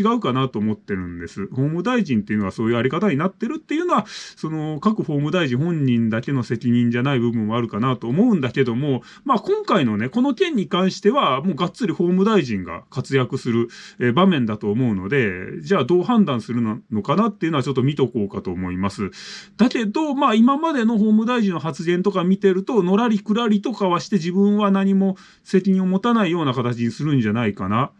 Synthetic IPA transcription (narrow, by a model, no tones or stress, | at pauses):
iɡaɯ̟kanat̪o̞ːmo̞t̪ːe̞ɾɯ̟̃nd̪e̞sɨho̞ːmɯ̟d̪aiʑĩnt̪e̞iɯ̟no̞aso̞ːjɯ̟aɾʲikat̪aɲ̟inat̪ːe̞ɾɯ̟t̪ːe̞jɯ̟no̞βaso̞no̞kakɯ̟ho̞ːmɯ̟d̪aiʑĩɦõ̞ɲ̟ːĩnd̪ake̞no̞se̞kʲiɲ̟ĩɲ̟d͡ʑanaibɯ̟bɯ̟̃m̃mːo̞aɾɯ̟kanat̪oːmo̞ɯ̟̃nd̪ake̞d̪o̞mo̞ | maːkõ̞ŋkaino̞ne̞ko̞no̞kẽ̞ɲ̟ːikãɰ̃ɕi̥t̪e̞βamo̞ːɡat͡sɨɾʲiho̞ːmɯ̟d̪aiʑĩŋɡa̰kat͡sɨjakɯ̟sɨɾɯ̟eːbamẽ̞nd̪at̪o̞ːmo̞ɯ̟no̞̰d̪e̞d͡ʑaːd̪o̞ːɦãnd̪ãɰ̃sɨɾɯ̟nno̞kanat̪ːe̞iɯ̟noat͡ɕo̞t̪ːo̞mʲit̪o̞ko̞ːkat̪o̞ːmo̞imasɨd̪̥ake̞d̪o̞maːimamad̪e̞no̞ɦo̞ːmɯ̟d̪aiʑĩnːo̞ɦat͡sɨɡẽ̞nt̪o̞kamʲit̪e̞ɾɯ̟t̪o̞no̞ɾaɾʲikɯ̟ɾaɾʲit̪o̞kaβaɕi̥t̪e̞ʑibɯ̟̃ɰ̃βanaɲ̟imo̞ | se̞kʲiɲ̟io̞mo̞t̪anaijo̞ːnakat̪at͡ɕiɲisɨɾɯ̟̃ɲd͡ʑanaikana